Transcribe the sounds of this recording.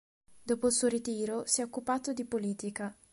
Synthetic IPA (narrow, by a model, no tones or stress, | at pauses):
d̪oːpoilsuːoɾit̪iːɾosiɛokːupaːt̪od̪ipoliːt̪ika